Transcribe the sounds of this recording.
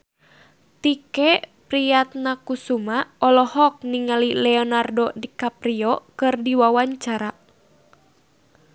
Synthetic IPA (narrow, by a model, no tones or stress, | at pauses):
t̪ikɛpɾijat̪̚nakusumaɔlɔhɔk̚niŋalilɛɔnardɔdikapɾiɔkɨrdiwawaɲt͡ʃaɾa